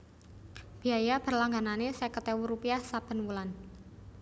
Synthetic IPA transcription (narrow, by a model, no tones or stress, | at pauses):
b̥iajab̥ərlaŋɡananesɛkət̪ewuɾupiahsab̥ə̤nwulan